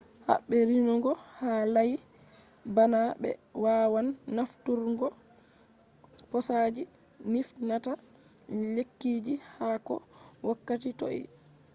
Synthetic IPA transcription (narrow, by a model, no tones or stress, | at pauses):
ha̰ɓːɛɾinɔɡɔhalaj | banabɛ̰waːwanːaftuɾŋɡɔ | pɔsad͡ʒi | nifnata | lekːiːd͡ʒihaːkɔ̰ | wakːatito̰ʔḭ